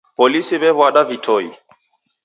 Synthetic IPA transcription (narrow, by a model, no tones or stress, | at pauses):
pɔlisiβɛβwaɗavitʰɔi